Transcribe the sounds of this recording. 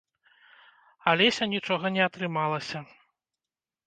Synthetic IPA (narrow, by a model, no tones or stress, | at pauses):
alʲɛsʲɐnʲit͡ʂɔɣɐnʲɛɐt̪ɾɨmalˠɐsʲɐ